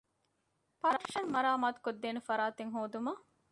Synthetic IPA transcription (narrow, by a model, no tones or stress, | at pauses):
pɐɾɐɾʃɐnmɐɾaːmaːt̪u̥kod̪ːeːnefɐɾaːt̪eŋɦoːd̪umɐ